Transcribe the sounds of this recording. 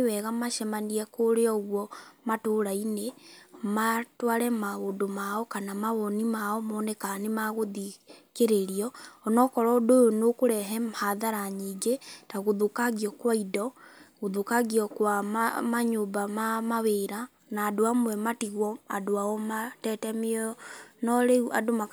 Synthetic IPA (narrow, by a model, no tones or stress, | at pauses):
ewɛɣamaʃɛmaniɛkoɾeɔɣwɔmatoɾainematwaɾɛmaɣondomaɔkanamaβɔnimaɔmɔːnɛkanemaɣoðikeɾeɾiɔːnɔkɔɾɔdojonokoɾɛɦɛmhaðaɾaɲiːɡetaɣoðukaɣiɔkwaidɔɣoðukaɣiɔkwamaɲobamamaβeɾa | naːdoamwɛmatiɣwɔa̰doaɔmatɛtɛmenɔɾeua̰doma